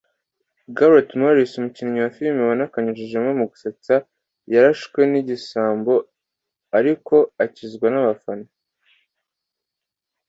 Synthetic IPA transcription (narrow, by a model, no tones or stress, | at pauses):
ɡaɾatmoɾisumucinɲiwafilmaβanakaɲiʒeʒemŋemuɡuset͡sa | jaɾaʃwe̞niɟisaːmbo̞ | aɾiko̞acizɡwanaβafano